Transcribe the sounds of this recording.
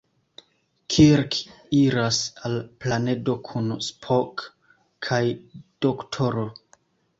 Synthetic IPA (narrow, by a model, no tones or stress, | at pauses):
kʰiɾk | iɾasalplane̞do̞kʰunspʰokʰː | ajd̥oktʰo̞ɾo